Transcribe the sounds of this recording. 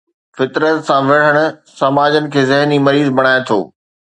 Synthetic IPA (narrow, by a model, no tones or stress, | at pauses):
fɪt̪ɾət̪sãʋɪɽ̤əɽ̃ʊ̆sɐmaːd͡ʑənɪ̆kʰeːzɪɦnimɐɾiːzbɐɽ̃aːet̪ʰo̰ː